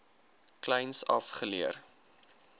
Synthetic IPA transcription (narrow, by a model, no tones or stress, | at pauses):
klɛjnsɐfχəliər